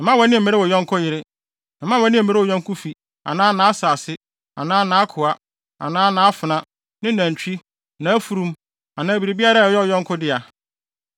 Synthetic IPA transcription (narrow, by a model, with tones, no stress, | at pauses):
m̩˨mã˦wɛ˨˦nɪ̃˦m̩˨mɪ̃˦ɾɪ˦wɔ˨jɔ̃˦ŋ˦kʰʊ˦jɪ˨ɾɪ̃˦˨ | mã˦wɛ˨˦nɪ̃˦˨mɪ̃˦ɾɪ˦ɔ˨jɔ̃˦ŋkʰʊ˦fi˨ | ã̰˨nãː˦nã˨˦a˦saː˨sɪ˦ | a̰˨nãː˦nãː˦a˦kʰʊ˨a˦ | ã̰˨nãː˦nãː˦a˦fʊ˨nã˦ | nɪ̃˦næ̃˨t͡ɕᶣi˦ | nã˨æ˦fu˨ɾũ˦m | ã˨nãː˨bi˨ɾi˨bi˦a˦ɾa˦˨jɔ˦˨jɔ̃˦ŋ˦kʰʊ˦dɪ˦a˨